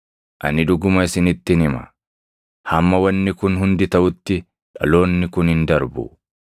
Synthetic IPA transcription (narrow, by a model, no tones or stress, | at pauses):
ʔɐ̰nɪᶑʊɡʊmɐɪsɪnɪt̪ːɪnɪmɐ̰ | hɐmːɐwɐnːɪkʊnɦʊnd̪ɪt̪ɐʔʊt̪ːɪ | ᶑɐ̰lo̞ːnːɪkʊnhɪnd̪ɐɾbʊ̰